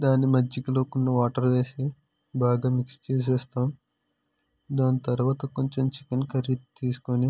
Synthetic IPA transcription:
d̪aːnːimɐd͡ʒikiloːkunːɐʋaːʈɐɾʋe̞ːsi | baːɡaːmikst͡ʃiːs̬ɛːst̪aːm | d̪aːnit̪ɐɾʋaːt̪ɐko̞ɲt͡ʃomt͡ʃe̥kenkʰɐɾit̪t̪iːsu̥koni

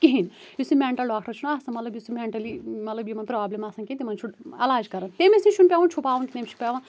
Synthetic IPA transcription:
kiɦin | jisumeɳʈɐlɖaːkʰʈɐɾt͡ʃʰunasɐ̃mɐt̪lɐbjisimeɳʈɐlimɐt̪lɐbjimɐnpɾaːblemɐsɐ̃ŋkʲet̪imɐnt͡ʃʰuʈɐlaːd͡ʒkɐɾɐnt̪emesĩʃʰunpʲeʋɐ̃nt͡ʃʰupaːʋunkinemt͡ʃʰu̥pʲeʋãn

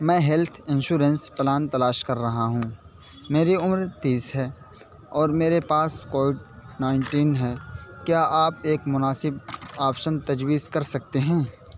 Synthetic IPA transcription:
mɛ̃ːɦɛlt̪ʰɪ̃nʃuːɾənsplaːnt̪ɐlaːʃkɐɾːɐɦaɦũː | meːɾiʊmɾt̪iːsɦɛː | ɔːɾmeːɾepaːskoːʋɪɖnaːɪɳʈiːnɦɛːkjaːʔaːpeːkmʊnaːsɪbaːpʃənt̪ɐd͡ʒwiːzkɐɾsɐk̚t̪eɦɛ̃ː

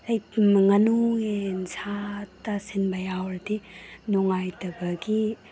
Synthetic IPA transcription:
ajŋɐnuŋensʰatasinbɐjawɾdinɔŋajtɐbɐɡi

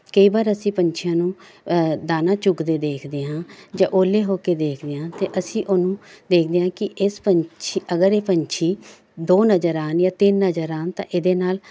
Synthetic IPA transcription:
kəiːbaːɾəsĩːpəɲt͡ʃʰjãːnũːd̪aːnaːt͡ʃʊɡd̪eːd̪eːkʰd̪eːɦãːd͡ʒã̰ːʔoːleːɦoːkeːd̪eːkʰd̪eːãːt̪eːʔəsĩːʔʊnũːd̪eːkʰd̪eːãːkɪʔɪspəɲt͡ʃʰiːʔəɡəɾeːpəɲt͡ʃʰiː | d̪oːnəd͡ʒəɾaːnjaːt̪ɪnːəd͡ʒəɾaːnt̪ã̰ːʔɪd̪eːnaːl

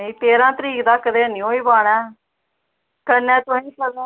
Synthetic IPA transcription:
ĩːt̪eːɾãːt̪əɾiːkd̪aːkːəd̪eːnĩoːiːbaːɽ̃ɛ̃ː | kənɛ̃ːt̪ĩːsəlẽː

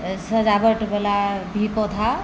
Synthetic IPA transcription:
səd͡ʒabəʈbelabʱipɔt̪ʰa

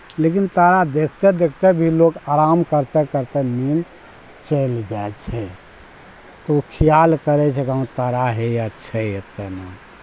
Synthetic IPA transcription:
lekint̪əɾad̪ekʰt̪ed̪ekʰt̪ebʱilokaɾamkəɾt̪ɛkəɾt̪emin | t͡ʃəld͡ʒaet͡ʃʰɛ | t̪oukʰijalkəɾɛt͡ʃʰɛkaũt̪əɾaɦeətːʃʰɛet̪ːɛna

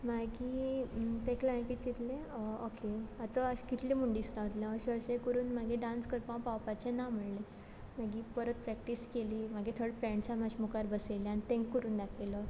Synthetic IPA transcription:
maɡi | t̪ẽklãjkit͡ɕit̪lẽəokeat̪əəɕkit̪lemuɳɖisɾaʋət̪ljãəɕəɕekəɾuːnmaɡiɖãnskəɾpãpawpat͡ɕenam̤əɽle | maɡiːpəɾət̪̚pɾɛk̚ʈiskeliːmaɡit̪ʰəɽfɾẽɳɖsamad͡ʑimukaɾbəseljanit̪ẽŋkːəɾuːnd̪akʰelə

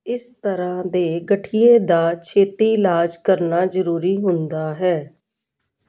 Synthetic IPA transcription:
ɪst̪əɾãːd̪eːɡəʈʰijẽːd̪aːt͡ʃʰeːt̪iːlaːd͡ʒkəɾnaːzəɾuːɾiːɦʊnd̪aːɦɛː

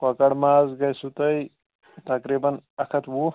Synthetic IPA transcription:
kɐkɐɽmazɡɐjsut̪ɐj | t̪ɐkɾibɐnɐkʰɐt̪ʰwu

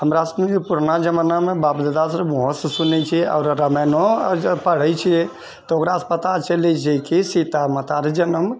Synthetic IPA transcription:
ɦəmɾasəmed͡ʒepuɾnad͡ʒəmənamẽbabd̪əd̪asɾmoɦəssunɛt͡ʃʰia̰ʊɾɾəmɛnopəɽ̤ət͡ʃʰi | t̪ɔokɾaəspət̪at͡ʃəlɛt͡ʃʰikisit̪amət̪aɾd͡ʒənəm

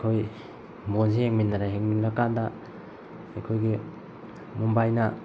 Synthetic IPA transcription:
kʰoj | mbons̬iheŋminːaɾaɦeŋminɾakanda | ekʰojɡi | mumbajnɐ

